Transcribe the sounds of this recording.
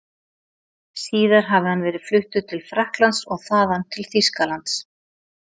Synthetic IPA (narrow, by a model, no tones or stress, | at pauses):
siːðaɾ̥ɦavɪhanvɛːɾɪð̥flʏht̪ʏt̪ʰɪlfɾahklant̪sɔɣθaːðanːt̪ʰɪlθiskalant̪s